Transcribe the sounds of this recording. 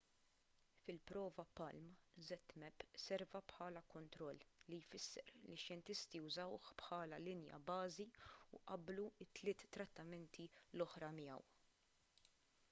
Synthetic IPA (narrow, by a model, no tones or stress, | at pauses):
fɪlpɾɔːvɐpɐlmzɛt̪ːmɛpːsɛɾvɐpħɐːlɐkɔnt̪ɾɔlːijfɪsːɛ̰ɾliʃjɛnt̪ɪst̪iʊzɐwħpħɐːlɐlɪnjɐ̰bɐːziuʔɐbluɪt̪ːlɪːt̪ːɾɐt̪ːɐmɛnt̪ʰilɔħɾɐmɪjɐ̰w